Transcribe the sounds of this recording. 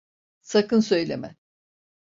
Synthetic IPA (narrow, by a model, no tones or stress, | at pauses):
sakɯnsø̞jlʲḛmɛ